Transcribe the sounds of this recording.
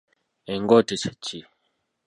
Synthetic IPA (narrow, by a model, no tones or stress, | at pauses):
eŋɡotet͡ʃḁt͡ʃi